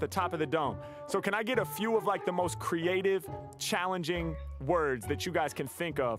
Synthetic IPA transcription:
ðɨtʰɑpʌvðɨdõʊ̃n | soʊkʰɨ̃ñaɪɡɛɾəfjʉʌvlaɪk̚ðəmoʊskʰɹ̥ieɪɾɪv̥ | t͡ʃʰælˠə̃nd͡ʒɪ̃ŋwɜ˞dzðɨt͡ʃɨɡaɪz̥kʰɨ̃nθɪ̃ŋkʌv̥

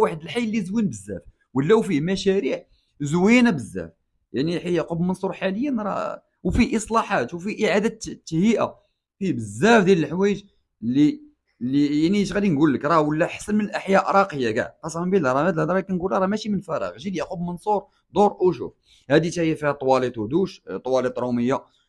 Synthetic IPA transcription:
waħəd̪əlħajːlːizwinbəzːæ̰f | wəlːæwfimæʃæɾiʕ | zwinæbəzːæ̰f | jaʕniħijəqubmənsˤuɾħaləjːənɾˤɑ̰ | wfiʔəsˤlɑħat̪wfiʔəʕad̪æt̪ːhiʔa̰ | fibəzːæfd̪jæləlħwæjəʒ | lːi | lːijaʕniʃɣæd̪inɡulːəkɾˤɑwəlːæħḁsənmənəlʔəħjæʔɾˤɑqəjːaɡæ̰ʕqɑsˤmbilɾˤɑmæd̪hæd̪ɾˤɑkænɡulːɾˤɑmæʃimənfɑɾˤɑ̰ɣʒid̪jəqubmənsˤuɾˤ | d̪ˤoɾˤʔuʃṵf | hæd̪it̪æhijːæfihæt̪ˤwɑlit̪ˤhd̪uʃt̪ˤːwɑlit̪ˤɾˤuməjːa

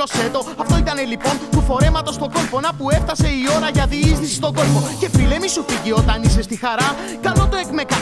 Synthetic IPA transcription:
o̞se̞t̪o̞ɐft̪o̞it̪ɐnelipo̞nt̪ufo̞ɾe̞mɐt̪o̞st̪o̞ɡo̞lpo̞nɐpue̞fθɐse̞io̞ɾɐʝɐðiisθisi̥st̪o̞ɡo̞lpo̞ce̞file̞misufiʝio̞t̪ɐnise̞st̪ixɐɾɐ | kɐlo̞t̪oekmekɐ

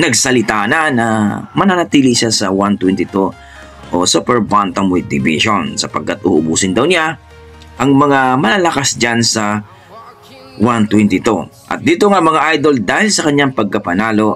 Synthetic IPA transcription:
nɐɡsɐlɪt̪aːnɐnɐmɐnanɐt̪iːlɪʃasɐwant̪wɛnt̪ɪt̪u | ʔosupɛɹbant̪ɐŋmʊlt̪ɪbɪ̰ʃonsɐpɐɡ̚kːat̪̚ʔuːʔʊbuːsɪnd̪ɐwnɪa | ʔɐŋmɐŋamɐnalɐkasd͡ʒansɐ | want̪wɛnt̪ɪt̪u | ʔɐ̰t̪̚d̪iːt̪oŋamɐŋaʔajd̪o̞ld̪aːhɪlsɐkɐɲːaŋpɐɡ̚kɐpɐnaːlo̞

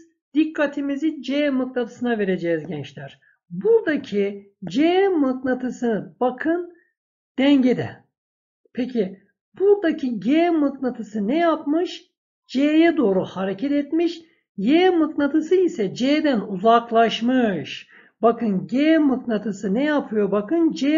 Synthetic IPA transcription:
d̪̥ikʰːat̪ʰimizid͡ʒemɯk̚nat̪ʰɯ̥sɯnave̞ɾe̞d͡ʒɛːzɟɛnt͡ʃlʲæɾ̥ | buɾd̪acʰi | d͡ʒemɯk̚nat̪ʰɯsɯnɯb̥akʰɯn | d̪̥ɛɲɟed̪ɛ̰ | pʰecʰi | b̥uɾd̪acʰiɟemɯknat̪ʰɯsɯnɛjapmɯʃ | d͡ʒejɛd̪o̞ːɾuhaɾecʰɛt̪et̪miʃ | jeːmɯknat̪ʰɯsɯisɛd͡ʒeːd̪ænuzaklˠaʃmɯʃ | b̥akɯnɟemɯknat̪ʰɯsɯnɛjapʰɯjo̞bakʰɯnd͡ʒe

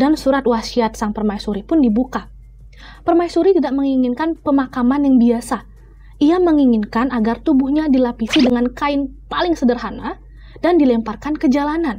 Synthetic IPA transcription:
dansuɾat̪̚wasiat̪̚saŋpərmaisuɾipʊndibuka | pərmaisuɾit̪idaʔməŋiŋɪnkanpəmakamanjaŋbiasa | ʔijaməŋiŋɪnkanaɡart̪ubuhɲadilapisidəŋankaɪnpalɪŋsədərɦana | dandilɛmparkankəd͡ʒalanan

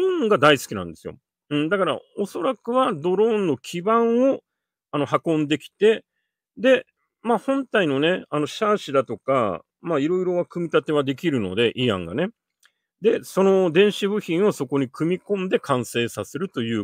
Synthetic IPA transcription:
ĩɡad̪aisɨ̥kʲinã̰nd̪e̞sɨjo̰ | ɯ̟̃ɴd̪akaɾa̰oso̞ɾakɯ̟βad̪o̞ɾõ̞nːo̞kʲʰibãɰ̃o̞ | ano̞hakõ̞nd̪e̞kʲi̥t̪e̞ | d̪e̞ | maːhõ̞nt̪aino̞ne̞ano̞ɕaːɕid̪at̪o̞ka̰ | maːiɾo̞iɾo̞βakɯ̟mʲit̪at̪e̞β̞ad̪e̞kʲiɾɯ̟no̞̰d̪e̞ʔiã̰ŋɡa̰ne̞ | d̪e̞so̞no̞d̪ẽ̞ɰ̃ɕibɯ̟çĩɰ̃o̞so̞ko̞ɲ̟ikɯ̟mʲikõ̞nd̪e̞kʰãɰ̃se̞ːsase̞ɾɯ̟t̪o̞jɯ̟ː

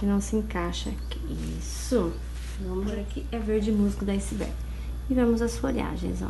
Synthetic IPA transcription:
kɪnɐ̃w̃sɪẽkaʃɐ̰k | i | sʊ | nɐ̃mɾɐkɪɛveɾd͡ʒɪmuzikʊd̪ɐisɪbɛ̰ɾ | ɪvẽmʊzɐsfoʎia̰ʒḛ̃j̃za̰

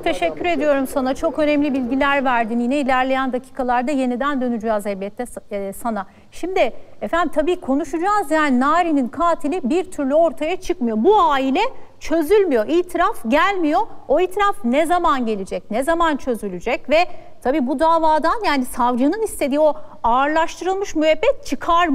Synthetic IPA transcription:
t̪ʰe̞ʃɛcːyɾe̞d̪ijo̞ɾumsanat͡ʃʰo̞kø̞nɛmlʲibilʲɟilʲæɾvæɾd̪injinɛilʲæɾlʲe̞jænd̪acʰiːkʰalˠaɾd̪aje̞nid̪ænd̪ø̞nyd͡ʒaːzhɛbjɛt̪ʰːɛsana | ʃimd̪ɪefænd̪imt̪ʰabiːkʰo̞nuʃud͡ʒaːzjaːninaːɾininkʰaːt̪ʰilʲibiɾt̪ʰyɾlʲyo̞ɾt̪ʰajat͡ʃʰɯkmɯjo̞buaːilʲɛt͡ʃʰø̞zylʲmijo̞ʔiːt̪ʰiɾafɟælʲmijo̞o̞iːt̪ʰiɾafnɛzamanɟe̞lʲid͡ʒɛc̚nɛzamant͡ʃʰø̞zylʲyd͡ʒɛcvɛt̪ʰabiːbud̪aːvaːd̪anjaːnisavd͡ʒɯnɯnist̪ʰe̞d̪iːo̞aːɾlˠaʃt̪ʰɯɾɯlˠmɯʃmyɦɛbːɛt̪̚t͡ʃʰɯkʰaɾm

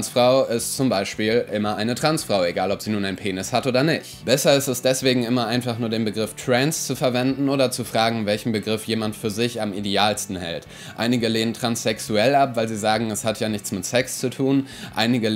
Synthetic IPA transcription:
nsfʁ̥aʊɪstt͡sʊmbaɪʃpiːlʔɪmɐʔaɪnətʁ̥ant͡sfʁ̥aʊeɡaːlɔpz̥iːnuːnaɪnpʰeːnɪshatʔoːdɐnɪçtb̥ɛsɐɪstɛsd̥ɛsv̥eːɡŋ̩ɪmɐʔaɪnfaχnuːɐdeːnbəɡʁɪftʁ̥ɛnst͡sufɛɐvɛndn̩ʔoːdɐt͡sufʁ̥aːɡŋ̩vɛlçn̩bəɡʁɪfjeːmantfyːɐzɪçamideaːlstn̩hɛ̰lt | ʔʔa̰ɪnɪɡəleːnəntʁ̥ansɛksuɛlapv̥aɪlziːzaːɡŋ̩ɛshatʰjaːnɪçt͡smɪtsɛkst͡sutʰuːn | ʔa̰ɪnɪɡə

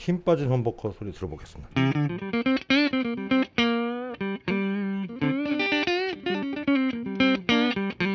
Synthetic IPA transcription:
çimp͈ad͡ʑinɦʌmbokʰʌsʰoɾitɯɾʌboɡes͈ɯmɲid̥a

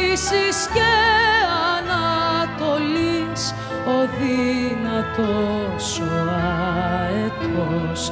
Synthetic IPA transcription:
isisceɐnɐt̪o̞lis | o̞ðinɐt̪o | suɾɐ | et̪o | s

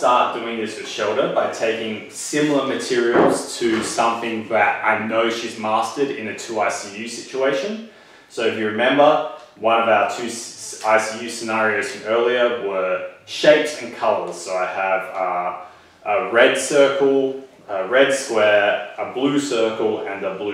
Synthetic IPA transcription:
stɑɹt̚d̥ʉɪ̃ŋðɪswɨð̥ʃoʊlˠɾə˞baɪtʰeɪkɪ̃ŋ | sɪ̃ml̩ˠə˞mɨtʰɪɹil̩ˠz̥tʰɨsʌ̃mθɪ̃ŋðɨɾa̰ɪnoʊʃizmɑstɨɾɪ̰̃nɨtʰʉaɪsijʉsɪt͡ʃueɪʃɨ̃n | soʊɨfjɨɹɨmɛ̃mbə˞wʌ̃nʌvaʊə˞tʰʉaɪsijʉsɨnɑɹioʊz̥fʌ̃mɜ˞lˠiə˞wʌ˞ʃeɪpsɨ̃nkʰʌlˠə̰˞z̥soʊaɪəv | ʔəɹɛd̥sɜ˞kl̩ˠ | əɹɛd̥skwɛɹəblʉsɜ˞kl̩ˠɨ̃nəbl

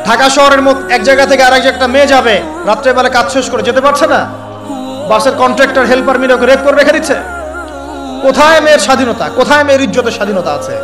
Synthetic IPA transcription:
ɖʱakaʃɔɦoɾeɾmot̪ɛk̚d͡ʑajɡat̪ʰekeaɾɛk̚d͡ʑɛk̚ʈamed͡ʑabe | ɾat̪ːɾebalekad͡ʑʃeʃkoɾed͡ʑet̪epaɾt͡ɕʰena | baʃeɾkɔɳʈɾɛk̚ʈaɾɦelpaɾmilokeɾep̚koɾeɾekʰed̪itːt͡ɕʰe | kot̪ʰaemeɾʃad̪ʱinot̪a̰kot̪ʰaemeːɾid͡ʑːot̪eʃad̪ʱinot̪aat͡ɕʰe

